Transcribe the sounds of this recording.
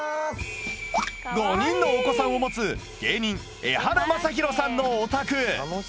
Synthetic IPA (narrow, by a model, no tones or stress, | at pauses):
ɡ̪oɲ̟ĩnːo̞ːko̞sãɰ̃o̞mo̞t͡sɨ | ɡ̥e̞ːɲ̟ĩŋ | ehaɾomasaç̬ʲiɾo̞sãnːo̞ːt̪akɯ̟